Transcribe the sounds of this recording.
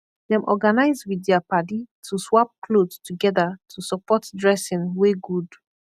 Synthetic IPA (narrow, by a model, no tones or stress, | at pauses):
dɛ̃mʔɔɡanaɪzwiθɛapaditʰuswap̚kʰlodtuɡɛðatʰusɔpɔtdɹɛsĩnweɡud